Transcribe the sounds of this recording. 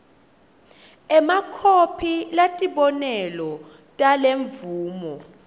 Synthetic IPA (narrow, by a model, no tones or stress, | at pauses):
ɛmakʰopʰilatʼiɓɔnɛlɔ | tʼaleɱvuːmɔ